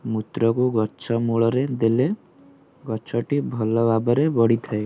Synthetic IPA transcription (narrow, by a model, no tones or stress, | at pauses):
mut̪ɾɔkuɡɔt͡ʃʰɔmuɭɔɾed̪ele | ɡɔt͡ʃʰɔʈibʱɔlɔbʱabɔɾebɔɽ̤it̪ʰae